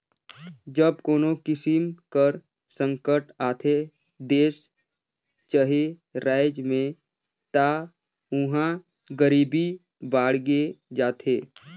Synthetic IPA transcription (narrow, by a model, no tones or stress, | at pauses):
d͡ʒəb̚koːnokɪsɪmkəɾ | sə̃ŋkəʈaːt̪ʰe | d̪eːs | t͡ʃəɦe | ɾaːɪd͡ʒmẽ | t̪a | ʊɦã | ɡəɾiːbi | baːɽ̤ɡed͡ʒaːt̪ʰeː